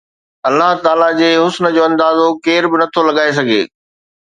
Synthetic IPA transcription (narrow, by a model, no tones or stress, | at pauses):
ɐlːaɦt̪aːlad͡ʑeːɦʊsnəd͡ʑoːɐ̃nd̪aːzokeːɾbɪnɐt̪ʰolɐɠaːes̬ɐɡʱḛː